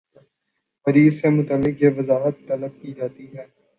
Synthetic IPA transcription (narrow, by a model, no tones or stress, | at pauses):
fɐɾiːzsemʊt̪əlːɪkjeʋɐzaːɦət̪ːɐləb̚kid͡ʒaːt̪iɦɛː